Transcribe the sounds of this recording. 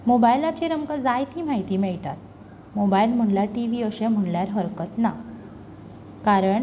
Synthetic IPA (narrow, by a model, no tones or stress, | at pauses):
mobajlat͡ɕeɾəmkəd͡zajt̪ʰiːm̤aɦjt̪iːmeɭt̪a̰t̪̚ | mobajlm̤əɳlaʈiʋiːəɕẽm̤əɳljaɾɦəɾkət̪na | kaɾəɳ